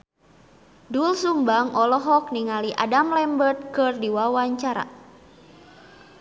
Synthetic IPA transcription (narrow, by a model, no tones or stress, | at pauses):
dulsumbaŋɔlɔɦɔk̚niŋaliʔa̰damlɛmbərt̪̚kɨrdiwawaɲt͡ʃaɾa̰